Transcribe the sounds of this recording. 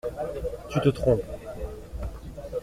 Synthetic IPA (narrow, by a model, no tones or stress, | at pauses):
t̪yt̪ət̪χɔ̃p